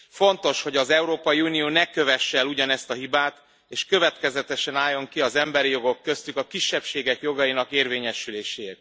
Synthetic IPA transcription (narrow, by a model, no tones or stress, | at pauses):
fo̞nt̪o̞ʃho̞ɟɒzɛuɾoːpɒjiuːnijoːnɛkø̞vɛʃːɛluɟɒnɛst̪ɒɦibaːt̪ | eːʃkø̞vɛt̪kɛzɛt̪ɛʃɛnaːjːo̞ŋkiɒzɛmbɛɾijo̞ɡo̞kːø̞st̪ykɒkiʃːɛpʃeːɡɛkjo̞ɡɒjinɒkeːrveːɲɛʃyleːʃeːt̪